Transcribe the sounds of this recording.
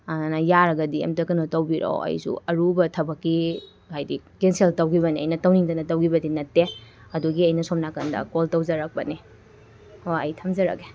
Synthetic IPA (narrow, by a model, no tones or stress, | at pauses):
ɐnɐjaɾɐɡɐdiḛmtɐkɐnotɐwbiɾo̰wɐ̰jsṵɐɾubɐtʰɐbɐkːi | ɦajdikenseltɐwɡibɐniɐjnɐtɐwniŋdɐnɐtɐwɡibɐdinɐtːeɐduɡiɐjnɐsom̚nakɐndɐ̰koltɐwzɐɾɐk̚pɐne | oɐjtʰɐmzɐɾɐ̰ke